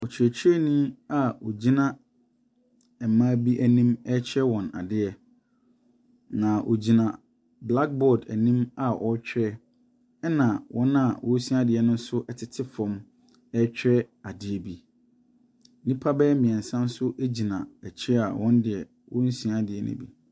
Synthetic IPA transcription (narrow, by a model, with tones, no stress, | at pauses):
ɔ˨t͡ɕʰɾɛ˨t͡ɕʰɛ˦nĩ˦a˦˨o˨d͡ʑi˦nã˦ | ɛ˨mã˦bi˦ʔæ˦nĩ˦mɛ˦t͡ɕʰɛ˦wɔ̃˨na̰˨dɪ˦ɛ˨ | nã˨ʔo̰˨d͡ʑi˨nã˨ | bla˦k̚bɔ˦˨dæ̰˨nĩ˦ma˨ʔɔ˦t͡ɕᶣʰɾɛ˦ | ɛ˦nã˨wʔɔ̃˦nã˨wʔɔ̃˦sĩ˦a˦dɪ˨ɛ˨nʊ̃˦n̩˦sʊ˦ʔɛ˨tʰɪ˨tʰɪ˦fɔ̃˦m | ɛ˦t͡ɕᶣɾɛ˦a˨dɪ˦ɛ˨bi˨˦ | nĩ˦pʰa˦bɛ˦mĩ˨ɛ̃˨n˨sã˦n˦sʊ˦ʔe˦d͡ʑi˨nã˨ɛ˨t͡ɕʰɾɛ˦a̰˨wɔ̃˦n˦dɪ˨ɛ˨ | wɔ̃˦n̩˦sĩ˨˦a˦dɪ˨ɛ˨nʊ̰̃˦bḭ˨